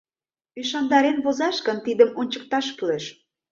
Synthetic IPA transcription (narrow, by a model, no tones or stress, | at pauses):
piʃɑnd̪ɑɾenβozɑʃkə̆nt̪id̪əmonʲt͡ɕə̥̆k̚t̪ɑʃkyleʃ